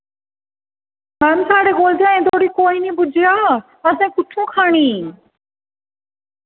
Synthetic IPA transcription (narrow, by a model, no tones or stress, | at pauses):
mɛːmsʰaːɽeːɡoːld͡ʑãẽːd̪oːɾiːkoːinĩːbʊd͡ʑʱijaː | əsãːkʊt͡ʃʰũːkʰaːɽ̃iː